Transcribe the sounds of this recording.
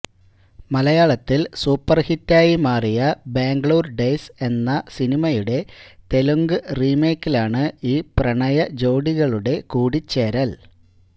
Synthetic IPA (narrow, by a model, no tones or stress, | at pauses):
mɐlɐjaːɭɐt̪ːilsuːpːɐrhitːaːjimaːrijɐbeːŋɡɭoːrɖejse̞nːɐsinimɐjuɽe̞t̪e̞luŋɡɨriːme̞ːkːilaːɳɨiːprɐɳɐjɐd͡ʑo̞ːɽiɣɐɭuɽe̞kuːɽit͡ɕːeːɾɐl